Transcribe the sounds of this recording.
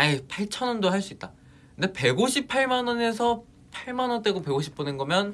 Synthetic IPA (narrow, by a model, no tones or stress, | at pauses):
aipʰaɭt͡ɕʰʌnʌndoɦaɭs͈uit̚t͈a | kɯnde̞pe̞ɡoɕʰipʰaɭmanʌne̞sʰʌ | pʰaɭmanʌnt͈eɡope̞ɡoɕʰi̥p͈onenɡʌmjʌn